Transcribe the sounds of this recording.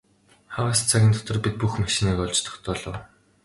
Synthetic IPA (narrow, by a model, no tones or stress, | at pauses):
χawaːst͡sʰaɣʲiːnt̪ʰɔt̪ɞ̆rpit̪̚puxmaʃĭniːkɔɮt͡ɕt̪ʰɔ̥xt̪ɔːɮɞ̆w